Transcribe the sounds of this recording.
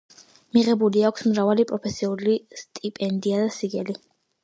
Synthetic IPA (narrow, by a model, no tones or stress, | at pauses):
miʁɛbuliakʷʰsmɾavalipʼɾɔpʰɛsiulist̪ʼipʼɛnd̪iad̪asiɡɛli